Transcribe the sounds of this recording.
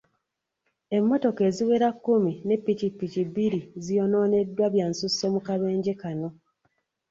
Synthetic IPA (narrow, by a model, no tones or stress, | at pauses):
e̞mːo̞to̞ke̞ːziwe̞ːɾakːumine̞pːicipːicibiɾizijo̞no̞ːne̞dːwaβjaːnsuso̞mukaβe̞ːɲɟekano̞